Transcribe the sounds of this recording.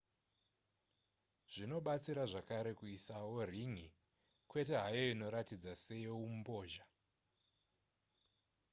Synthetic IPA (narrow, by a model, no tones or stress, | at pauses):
ʐ̥ino̞ɓat͡siɾaʐakaɾe̞kuisawo̞riŋi | kwe̞te̞ɦajoino̞ɾatid͡zase̞jeumubo̞ːʒa